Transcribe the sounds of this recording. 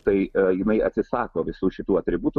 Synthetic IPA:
t̪ɐɪjɪnɐɪɐ̰t̪ʲsʲɪsɑːkoːʋʲɪsuːʃʲɪt̪uːɐt̪ʲɾʲɪbuːt̪u

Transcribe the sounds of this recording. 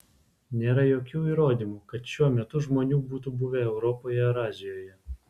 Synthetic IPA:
nʲeːɾɐjoːkʲuːiːɾoːd̪ʲiːmukɐt̪ʃʲuɔmʲɛt̪ʊʒmoːnʲuːbuːt̪ubʊʋʲɛɛʊɾɔpoːjɛɾɑːzʲɪjoːjɛ

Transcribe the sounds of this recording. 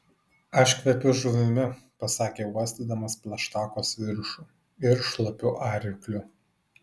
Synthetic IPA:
ɐʃʲkʋʲɛpʲʊʒuʋʲɪmʲɪpɐsɑːkʲeːɔsʲt̪ʲiːd̪ɐmɐspʲlʲˠɐʃt̪ɑːkoːsʋʲɪɾʃuˑ | ɪɾʃlˠɐpʲʊʔɑːɾʲɪklʲʊ

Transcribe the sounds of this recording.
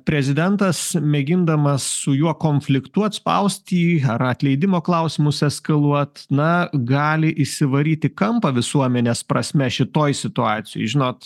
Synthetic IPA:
pʲɾʲɛzʲɪd̪ʲɛnt̪ɐsmʲɛɡʲɪnd̪ɐmɐssʊjuɔkoːnʲfʲlʲɪkt̪ʊɐt̪spɐ̰ʊsʲt̪ʲiːɐɾɐt̪ʲlʲɛɪd̪ʲɪmoːklˠɐʊsʲɪmʊsʲɛskɐlˠuɔt̪nɐɡɑːlʲɪʔɪsʲɪʋɐɾʲiːt̪ʲɪkɐmpɐʋʲɪsuɔmʲɛnʲeːspɾɐsʲmʲɛʃʲɪt̪oːjsʲɪt̪ʊɑːt̪sʲɪjo̰ːɪʒʲɪnoːt̪

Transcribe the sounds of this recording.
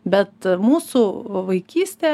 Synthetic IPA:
bʲɛt̪muːsuʋɐɪkʲiːsʲt̪ʲeː

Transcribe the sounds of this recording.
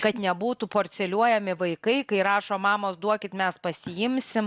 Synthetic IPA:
kɐt̪nʲɛbuːt̪upoːɾʲt̪sʲɛlʲuɔjɛmʲɪʋɐɪkɐɪkɐɪɾɑːʃoːmɑːmoːsd̪uɔkʲɪt̪mʲɛspɐsʲɪjɪmʲsʲɪm

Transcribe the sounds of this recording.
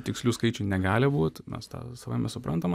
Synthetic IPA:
t̪ʲɪksʲlʲuːskɐɪt͡ʃʲʊnʲɛɡɑːlʲɪbuːt̪mʲɛ̰st̪ɑ̰ːsɐʋaɪmʲɛsʊpɾʔɐnt̪ɐm

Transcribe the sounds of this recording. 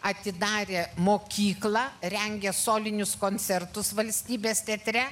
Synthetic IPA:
ɐt̪ʲɪd̪ɑːɾʲeːmoːkʲiːklˠɑːɾʲɛŋʲɡʲɛsoːlʲɪnʲʊskoːnʲt̪sʲɛɾt̪ʊsʋɐlʲsʲt̪ʲiːbʲeːst̪ʲɛt̪ʲɾʲɛ

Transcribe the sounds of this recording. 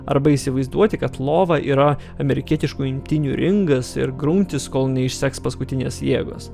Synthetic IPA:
ɐ̰ɾbɐisʲɪʋɐɪzd̪uɔt̪ʲɪkɐt̪lˠoːʋɐʔḭːɾɐɐmʲɛɾʲɪkʲiɛt̪ʲɪʃkuːɪmʲt̪ʲɪnʲuːɾʲɪŋɡɐsɪ̰ɾɡɾʊmʲt̪ʲɪskoːlˠnʲɛɪʃʲsʲækspɐskʊt̪ʲɪnʲeːsjeːɡo̰ːs

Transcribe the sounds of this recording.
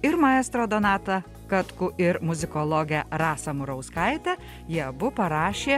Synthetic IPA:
ɪɾmɐɛːst̪ɾoːd̪oːnɑːt̪ɐ | kɐt̪kʊʔɪɾmʊzʲɪkoːlˠoːɡʲɛɾɑːsɐmʊɾɐʊskɐɪt̪ʲɛ | jiɛbʊpɐɾɑːʃʲeː

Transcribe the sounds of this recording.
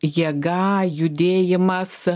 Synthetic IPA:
jɛɡɑːjʊd̪ʲeːjɪmɐs

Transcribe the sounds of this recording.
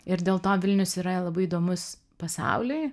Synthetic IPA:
ɪɾd̪ʲeːlˠt̪oːʋʲɪlʲnʲʊsiːɾɐlˠɐbɐɪid̪oːmʊs | pɐsɑ̰ʊlʲɪɪ

